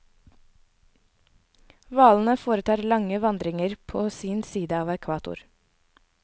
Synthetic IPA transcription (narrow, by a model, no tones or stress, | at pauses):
ʋɑːln̩əfoːɾət̪ʰɑːɾlɑŋəʋɑnd̪ɾɪŋəɾpʰoːsiːnsiːd̪əɑːʋɛkʰʋɑːt̪ʊ̰ɾ